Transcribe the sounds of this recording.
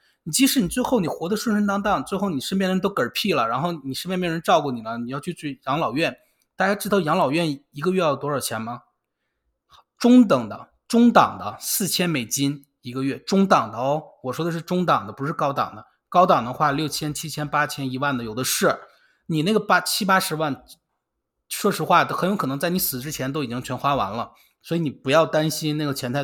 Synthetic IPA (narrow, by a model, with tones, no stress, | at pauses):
ni˨˩t͡ɕi˧˥ʂɻ̩˧˥ni˨˩t͡swe˥˧ɪxo˥˩ʊni˨˩xwɔ˧˥d̪ə˧ʂwə˥˧ʂə˥nt̪ɑ˥ŋt̪ɑ˥˩ŋt͡swe˥˧ɪxo˥˩ʊni˨˩ʂə˥np̬ʲɛ˥˩n˧˥t̪o˥kə˞˨˩pʰi˥˩lə˩ɻa˧˥nxo˥˩ʊni˨˩ʂə˥pjjn˥ʈ͡ʂɑ˥˧ʊku˥˩ni˨˩lə˦ni˨˩jɑ˥˧ʊt͡ɕʰy˥˧t͡sy˥˩jɑ˧˥ŋlɑ˨˩ʊɥɛ˥˩n | t̪a˥˧t͡ɕja˥ʈ͡ʂɻ̩˥˩t̪ʰjɑ˧˥ŋlɑ˨˩ʊɥɛ˥˩ni˧˥ɡə˧ɥɛ˥˧jɑ˥˩t̪wɔ˥ə˞˨˩t͡ɕʰjɛ˧˥nmɐ˧ | ʈ͡ʂʊ˥ŋt̪ɤ˨˩ŋd̪ə̰˦ | ʈ͡ʂʊ˥ŋt̪ɑ̰˨˩ŋd̪ə˦sɹ̩˥˩t͡ɕʰjɛ˥nme˨˩ɪt͡ɕi˥n | i˧˥ɡə˧ɥɛ˥˩ʈ͡ʂʊ˥ŋt̪ɑ˨˩ŋd̪ə˦ɔ˥˩ʊwɔ˨˩ʂwɔ˥d̪ə˧ʂɻ̩˥˩ʈ͡ʂʊ˥ŋt̪ɑ˨˩ŋd̪ə˦pu˧˥ʂɻ̩˥˩kɑ˥ʊt̪ɑ̰˨˩ŋd̪ə˦ | kɑ˥ʊt̪ɑ˨˩ŋd̪ə˧˦xwa˥˧ljo˥˩ʊt͡ɕʰjɛ˥nt͡ɕʰi˥t͡ɕʰjɛ˥npa˥t͡ɕʰjɛ˥ni˧˥wa˥˩nd̪ə˩jo˨˩ʊd̪ə˦ʂɻ̩˥˩ | ni˨˩na˥˩ɡə˩pa˥t͡ɕʰi˥pa˥ʂɻ̩˧˥wa˥˩n | ʂwɔ˥˩ʂɻ̩˧˥xwa˥˩xə˧˥njkʰɤ˨˩nɤ˧˥ŋt͡sa˥˩ɪni˧˥sɹ̩˨˩ʈ͡ʂɻ̩˥t͡ɕʰjɛ˧˥nt̪o˥ʊi˨˩t͡ɕi˥ŋt͡ɕʰɥɛ˧˥nxwa˥wa̰˧˥nlə˧ | swɔ˧˥i˧˥ni˨˩pu˧˥jɑ˥˩ʊt̪a˥nɕi˥nna˥˩ɡə˩t͡ɕʰjɛ˧˥nt̪ʰa˥˩